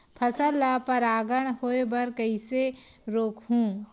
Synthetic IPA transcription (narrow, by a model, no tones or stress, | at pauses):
pʰɐsəlːapɐɾaːɡəɽ̃hoːebɐɾkəiseɾoːkʰɦũː